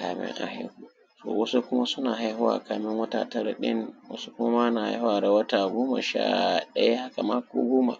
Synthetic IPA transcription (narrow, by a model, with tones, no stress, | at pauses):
kaː˨mɪ̰˦ŋʔa̰˨hɪ˦nhu˦ | to̰ː˨wɐ˦su˦kʊ˦ma˦sʊ˦naː˨ɦa˦jɦʊ˦wa̰ː˨kaː˨mɪ˦ŋwɐ˦taː˨tɐ˦ɾa˨ɗɪ̰˦nwɐ̰˦su˦kʊ˦ma˦ma˦na˨ha̰˦jhʊ˦wa˨ɾa˦wɐ˦taː˨ɡoː˦ma˨ʃa̰ː˦˨ɗɐ̰˦ja˦ha˦ka˨ma˦ko̰ː˦ɡoː˦ma̰˨